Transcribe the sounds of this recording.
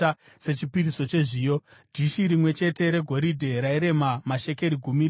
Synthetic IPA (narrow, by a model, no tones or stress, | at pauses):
se̞t͡ʃipiriso̞t͡ʃe̞ʐiːjo̞dʱiʃiɾimwe̞t͡ʃe̞te̞ɾe̞ɡʱo̞ɾidʱe̞ɾaiɾe̞mamaʃe̞ke̞ɾiɡʱumi